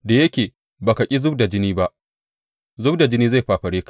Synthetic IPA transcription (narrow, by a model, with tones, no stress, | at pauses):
da˨jɐ˦kʲeː˨ | baː˨ka˨kʲʼi˦zʊ˦b̚da˨d͡ʒɪ˦niː˦ba˦ʔ | zʊ˦bda˨d͡ʒɪ˦niː˦za˦˨jɸaː˨ɸɐ˨ɽeː˦kḁ˨